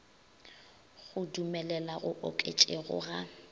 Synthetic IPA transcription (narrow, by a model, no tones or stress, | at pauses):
ɣʊdumɛlɛlaɣʊʔokʼet͡ʃʼeɣʊ̰ɣa